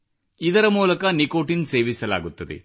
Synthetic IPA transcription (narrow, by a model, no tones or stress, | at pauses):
id̪ɐɾɐmuːlɐkɐnikoːʈinse̞ːʋisɐla̰ːɡut̪ːɐd̪ḛ